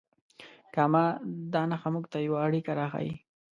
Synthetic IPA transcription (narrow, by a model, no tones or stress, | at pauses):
kamad̪ɑnaxamuɡt̪ajawaːɽikaɾɑxa̰j